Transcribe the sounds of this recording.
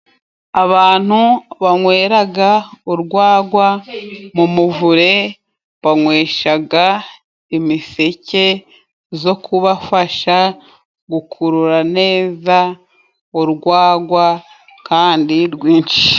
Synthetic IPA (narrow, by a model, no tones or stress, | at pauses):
aβaːn̥huβaŋweːɾaɡauɾɡwaːɡwamumuvuɾe̞ | βaŋwe̞ːʃaɡa | imise̞ce̞ | zo̞kʰuβafaʃa | ɡukʰuɾuɾane̞ːza | uɾɡwaːɡwa | kaːndiɾɡwiːnt͡ʃi̥